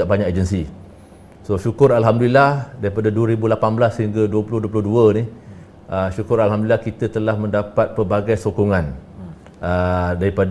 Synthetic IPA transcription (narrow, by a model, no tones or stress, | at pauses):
aʔbaɲaked͡ʒənsi | soʃukʊɾalɦamdulilahdaɾipadaduəɾibulapanblasːəɦiŋɡəduəpulʊhduəpulʊhduəni | ʔəʃukʊɾalɦamdulilahkit̪ət̪əlahmə̃ndapat̪̚pərbaɡajsokɔŋãn | ʔədaɾipad